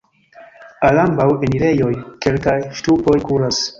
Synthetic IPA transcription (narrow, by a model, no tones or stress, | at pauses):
alambaweniɾe̞jo̞jke̞lkajʃtupo̞jkuɾas